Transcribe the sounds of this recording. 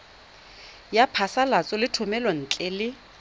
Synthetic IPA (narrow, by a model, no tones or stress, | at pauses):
japʰasalat͡sʼɔlɪtʰʊmɛlɔn̩t͡ɬʼɛlɪ